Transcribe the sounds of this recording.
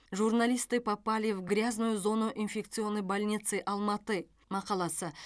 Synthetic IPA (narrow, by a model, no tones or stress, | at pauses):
ʒurnalʲijst̪ɨpʰapɑlʲivɡɾʲaznujʊzo̞nuʔinfʲe̞k̚t̪sɨo̞nːəjbalʲnʲit̪sɨjʔɑlˠmɑt̪ə | mɑqɑlˠɑsə